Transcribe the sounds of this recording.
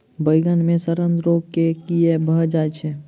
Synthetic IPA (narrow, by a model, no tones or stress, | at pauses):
bəjɡənmẽsəɾənd̪ɾokekijebʱəd͡ʒaɛt͡ʃʰɛ